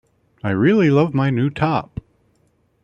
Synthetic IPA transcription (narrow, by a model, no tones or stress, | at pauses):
aɪɹɪlˠilʌvmaɪnʉtʰɑp̚